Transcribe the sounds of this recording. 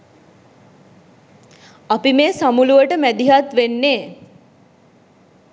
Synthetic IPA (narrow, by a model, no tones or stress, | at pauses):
apimeːsamuluʋəʈəmæd̪iɦat̪ʋenːeː